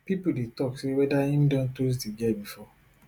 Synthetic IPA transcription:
pipodetɔksewɛdaim̩dɔ̃ntos̬deɡɛbifɔ

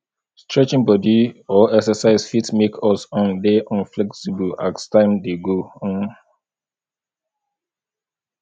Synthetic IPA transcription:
stɹɛt͡ʃĩŋbɔdiɔɛksəsaɪsfitmekʰɔsɔ̃ndeʔɔ̃nflɛksibəla̰tstãɪ̃mdeɡõn

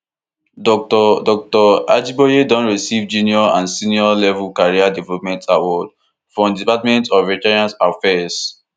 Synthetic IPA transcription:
dɔk̚tɔdɔk̚tɔad͡ʒibɔjedɔ̃nɹisivd͡ʒiniɔãnsĩniɔlɛvukaɹiadɛvɛlɔp̚mɛ̃ntʰawɔd | fɹɔ̃mdipatmɛ̃ntɔvitɛɹiãnsafɛs

